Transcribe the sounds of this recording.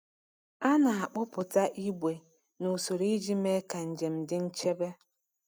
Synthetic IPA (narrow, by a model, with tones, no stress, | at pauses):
a˦na˨a˨k͡pʊ˦pʊ˨ta˦ʔi˦ɡʷe˨ | nu˨so˨ɾi˦d͡ʒi˦me˦ka˨n̩˨d͡ʒe˨m̩˨dɪ˦n̩˦t͡ʃe˦be˦